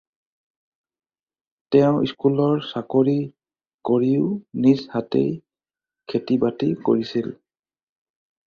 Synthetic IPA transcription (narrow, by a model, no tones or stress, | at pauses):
tɛʊ̃ḭskulɔɹsakoɹi | koɹiʊnishatḛj | kʰetibatiko̰ɹisil